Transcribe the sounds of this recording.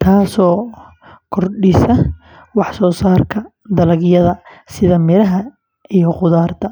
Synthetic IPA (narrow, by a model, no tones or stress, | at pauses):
t̪ʰaːsɔː | kʰɔrɖɪsɐ | wɑħsɔːsaːrkʰɐ | d̪ɐlɐɣjɐðɐsɪðɐmɪɾɐɦɐ | ijɔqʊðaːrt̪ʰɐ